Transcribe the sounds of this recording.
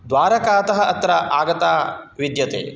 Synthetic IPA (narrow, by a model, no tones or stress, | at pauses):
d̪ʋaːɾɐkaːt̪ɐɦɐʔɐt̪ɾɐʔaːɡɐt̪aːʋid̪jɐt̪ḛː